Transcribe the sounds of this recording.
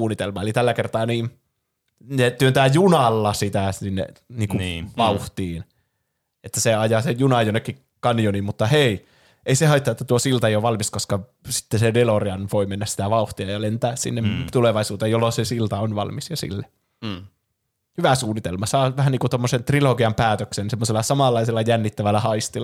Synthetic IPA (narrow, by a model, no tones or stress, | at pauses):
uːnit̪elmɑelit̪ælːækert̪ɑːniːn | net̪yønt̪æːjunɑlːɑsit̪æsinːḛniːkuʋɑuht̪iːn | et̪ːæseɑjɑsejunɑjonːekːi | kɑnijonimmut̪ːɑhei | eisehɑit̪ːɑet̪ːæt̪uosilt̪ɑeijoʋʋɑlmiskoskɑ | si̥t̪ːesedeloriɑnʋoimenːæsi̥t̪æʋɑuht̪iɑjɑlent̪æːssḭnːemt̪uleʋɑisuːt̪ejjolːosesilt̪ɑonʋɑ̰lmisjɑsḭlːe | hyʋæsuːnːit̪elmɑsɑːʋæhæniːkut̪omːosent̪riloɡiɑmpæːt̪øksensemːoselːɑsɑmɑlːɑiselːɑjænːit̪ːæʋælːæhɑist̪ilɑ